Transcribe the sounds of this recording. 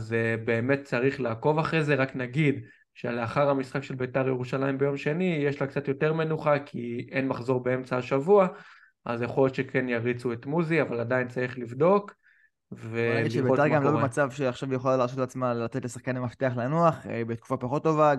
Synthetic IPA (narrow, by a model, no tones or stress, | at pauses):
azebe̞ːme̞t̚t͡saʁiχlaːko̞vaχʁeze̞ʁaknaɡid̪ | ʃeleaχaʁhamisχakʃe̞lbetaʁjeʁuʃalaimbe̞jo̞mʃe̞nijeʃlakt͡satjo̞teʁme̞nuχakʰie̞nmaχzo̞ʁbee̞mt͡saaʃavua | ʔa̰zjaχo̞ljot̪ʃe̞kʰe̞njaʁit͡suet̪muziavaladaint͡saʁiχlivd̪o̞k | ve̞ɡiliʃebet̪aʁɡamlobemat͡savʃeaχʃavjeχolaleʁsot̪leat͡smalat̪et̪lesaχkanamaft̪eaχlanuaχbet̪ku̥fapaχo̞t̪ːo̞va